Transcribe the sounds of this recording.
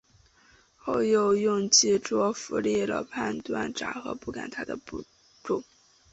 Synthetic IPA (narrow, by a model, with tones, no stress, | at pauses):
xo˥˧ʊjo˥˧ʊjʊ˥˧ŋt͡ɕi˥˩ʈ͡ʂwɔ˥fu˧˥lɛ˥˩lə̰˨˩pʰa˥˧nt̪wa̰˥˩nʈ͡ʂa̰˨˩xɤ̰˧˥pu˥˩ka̰˨˩nt̪ʰa˥d̪ə˨pu˥˩ | ʈ͡ʂʊ˥˩